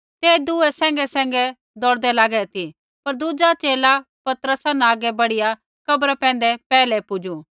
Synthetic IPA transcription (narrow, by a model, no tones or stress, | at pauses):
t̪eːd̪uːɛsɛ̃ːŋɡɛsɛ̃ːŋɡɛ | d̪ɔɽd̪ɛlaːɡɛt̪ʰi | pɐɾd̪ud͡ʒat͡ʃeːla | pɐt̪ɾəsanɛaːɡɛbɐɽɪja | kɐbɾapɛ̃ːn̆d̪ɛpɛːlɛpʊd͡ʒu